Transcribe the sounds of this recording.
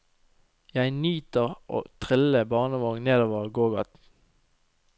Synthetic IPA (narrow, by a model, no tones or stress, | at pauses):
jæɪnyːt̪əʁʔo̰ːt̪ʰʁɪləbɑːʁnəʋɑːŋneːd̪oːʋəʁɡoːɡɑt̪